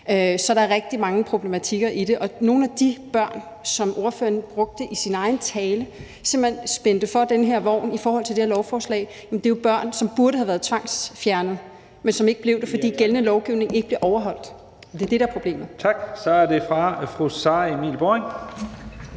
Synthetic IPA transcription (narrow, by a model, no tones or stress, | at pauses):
øsɒ̽ɾ̥ɑ̈æɐʁɛɡ̥̚d̥imɑ̈ŋəpʰʁo̝b̥le̝mæt͡sʰiɡ̥ɐʔiɾe̝ʔɒ̽no̝ːn̩æd̥ib̥ɶɐ̰n | sɒ̽mʔo̝ɐføːɐnb̥ʁɔ̽ɡ̥̚d̥əʔisinɑ̈ɪn̩t͡sʰɛːlə | seɐmb̥hensb̥end̥əfɒ̽d̥enəɦeɐʋɒ̰ʊ̰nifɒːhɒ̽l̰t͡sʰe̝ld̥eeɐlɒʊfɒːslɛ̰ɪjæmnd̥e̝job̥ɶɐ̰nsɒ̽mb̥uɐɾəhæʋæːɐð̞̩ˠt͡sʰʋɑ̈ŋ̰sfjæɐnð̩ˠ | mensɒ̽me̝ɡ̥əb̥le̝ʊd̥efɒ̽dḭːɡ̥elənəlɒʊɡ̥iʊne̝ŋe̝ɡ̥əb̥le̝ʔɒʊɐɦɒ̽l̰d̥ | ɒd̥e̝æɐd̥e̝ɾɑæɐpʰʁob̥le̝̰ːməð̩ˠt͡sʰɑ̈ɡ̥sɒæɐde̝fʁɑ̈fʁusɑemḭːlb̥oeŋ